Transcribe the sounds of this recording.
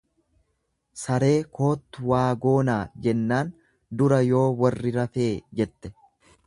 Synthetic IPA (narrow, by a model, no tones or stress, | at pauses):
sɐɾe̞ːko̞ːt̪ːʊwaːɡo̞ːnaːd͡ʒɛnːaːn | d̪ʊɾɐjo̞ːwɐrːɪɾɐfe̞ːd͡ʒɛt̪ːɛ̥